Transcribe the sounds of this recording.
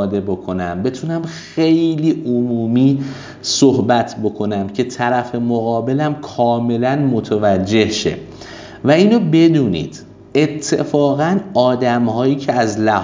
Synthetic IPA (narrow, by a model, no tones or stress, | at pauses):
d̪e̞bo̞kʰo̞næmbe̞t̪ʰunæmxe̞jliːʔomuːmiː | sohbæt̪ʰbo̞kʰo̞næmcʰe̞t̪ʰæɾæfe̞moɣɒːbe̞læmkʰɒːme̞lænmo̞t̪ʰevæd͡ʒːe̞hʃe̞̰ | væiːnobe̞d̪uːnḭːd̪̥ | e̞t̪ʰːe̞fɒːɣænɒːd̪æmhɒːjiːcʰeæzlæh